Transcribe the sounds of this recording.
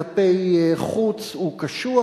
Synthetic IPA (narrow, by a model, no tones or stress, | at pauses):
pejχut͡sukaʃu